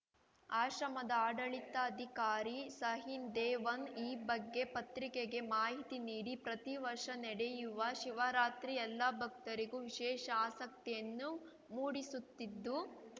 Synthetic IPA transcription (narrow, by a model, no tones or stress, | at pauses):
aːʃɾɐmɐd̪ɐaːɽɐɭit̪ɐːd̪ʱikaːɾisɐɦind̪ɛːʋɐniːbɐɡːe̞pɐt̪ɾikeɡe̞maːɦit̪iniːɽipɾɐt̪iʋɐɾʂɐnɛɽejuʋɐʃiʋaɾaːt̪ɾiɛlːabʱɐk̚t̪ɐɾiɡuʋiʃɛːʃɐaːsɐk̚t̪ijɐnːu | muːɽisut̪ːid̪ːu